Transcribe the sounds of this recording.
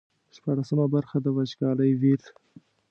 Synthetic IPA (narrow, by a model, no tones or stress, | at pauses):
ʂpɑɽasəmabaɾxad̪əwad͡ʒɡɑləjwiɾ